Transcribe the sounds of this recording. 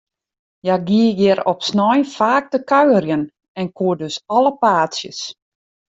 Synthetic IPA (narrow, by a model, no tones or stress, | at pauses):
jaɡiəjɪɾɔpsnɔjfaːk̚təkœɥwərjən | ɛnkʰuədøsɔləpaːtsjə̰s